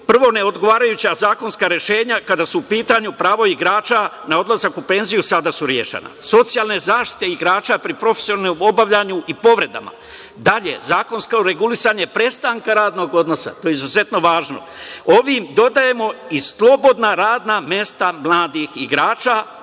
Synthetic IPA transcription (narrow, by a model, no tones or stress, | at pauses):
pr̩ʋo̞ne̞o̞d̪ɡo̞ʋaːɾajut͡ɕazaːko̞nskaɾje̞ʃe̞ːɲakad̪asuupiːt̪aɲupɾaːʋo̞iɡɾaːt͡ʃanao̞d̪lˠazakupe̞nzijusad̪asuɾjeʃḛna̰so̞t̪sijaːlˠne̞zaːʃt̪i̥t̪e̞iɡɾaːt͡ʃapɾipɾo̞fesionalnomo̞baʋʎaɲuʔipo̞ʋɾe̞d̪a̰ma̰ | d̪aʎe̞̰zaːko̞nskaɾe̞ɡulisaɲepɾe̞st̪aŋkaɾaːd̪no̞ɡo̞d̪no̞sa̰t̪oːjeizuze̞t̪no̞ʋaːʒno̞̰ | o̞ʋimd̪o̞d̪aje̞mo̞islˠo̞bo̞d̪naɾaːd̪namje̞st̪amlˠaːd̪ixiɡɾaːt͡ʃa